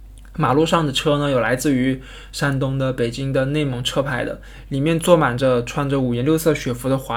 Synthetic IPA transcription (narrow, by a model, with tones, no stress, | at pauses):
ma˨˩lu˥ʂɑ˥˩ŋd̪ə˩ʈ͡ʂʰɤ˥nə˨jo˨˩la˧˥ɪt͡sɹ̩˥˩y˧˥ | ʂa˥nt̪ʊ˥ŋd̪ə˨pe˨˩ɪt͡ɕi˥ŋd̪ə˨ne˥˩ɪmɤ˧˥ŋʈ͡ʂʰɤ˥pʰa˥˩ɪd̪ə̰˩ | li˨˩mjɛ˥˧nt͡swɔ˥˩ma˨˩nd͡ʒə˦ʈ͡ʂʰwa˥˩nd͡ʒə˧u˨˩ɥjɛ˧˥nljo˥˧ʊsɤ˥˩ɕɥɛ˨˩fu˧˥d̪ə˧xwa˧˥